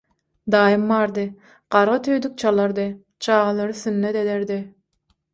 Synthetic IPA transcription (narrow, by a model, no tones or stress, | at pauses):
d̪ɑːjɯmːɑːɾd̪ɯ | ɢ̥ɑɾʁɑt̪ʰøjd̪yk̚t͡ʃʰɑlˠɑɾd̪ɯ | t͡ʃʰɑːʁɑlˠɑɾɯsynːet̪ed̪eɾd̪i